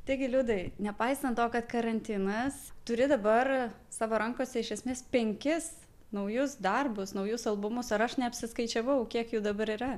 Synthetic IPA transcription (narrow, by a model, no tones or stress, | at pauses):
t̪ɐɪɡʲɪlʲuːd̪ɐɪnʲɛpɐɪst̪ɐnt̪oːkɐt̪kɐɾɐnʲt̪ʲɪnɐst̪ʊɾʲɪd̪ɐbɐr | sɑːʋoːɾɐŋkoːsʲɛɪʃʲɛsʲmʲeːspʲɛŋʲkʲɪs | nɐʊjʊsd̪ɐrbʊsnɐʊjʊsɐlˠbʊmʊsɐɾɐʃnʲɛɐpʲsʲɪskɐɪt͡ʃʲɛʋɐʊkʲiɛkjuːd̪ɐbɐɾiːɾɐ